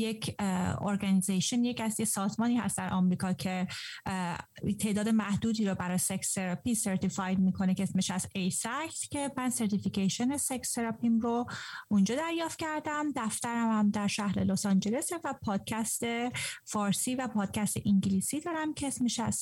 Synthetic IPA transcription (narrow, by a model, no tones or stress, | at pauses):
jecʰo̰ɾɡænizeʃonjecæsjesɒːzmɒːniːhæ̰st̪d̪æɾʔɒmɾiːkʰɒːcʰe̞ | t̪ʰe̞ʔd̪ɒːd̪e̞mæhd̪uːd̪iːɾobæɾɒːjsekseɾɒpiseɾt̪ʰifɒjmiːkʰo̞necʰeesmeʃæzejsæcʰt̪cʰe̞mænseɾt̪ificeʃonesecst̪eɾɑpimɾound͡ʒɒːd̪æɾjɒːft̪̚cʰæɾd̪æmd̪æft̪æɾæmæmd̪æɾʃæhɾḛlosɒnd͡ʒe̞le̞sevæpʰɒːd̪̥̚cʰæst̪e̞fɒːɾsiːvæpʰɒːd̪̥̚cʰæst̪ḛʔiŋɟiliːsiːd̪ɒːɾæmcʰeesmeʃæz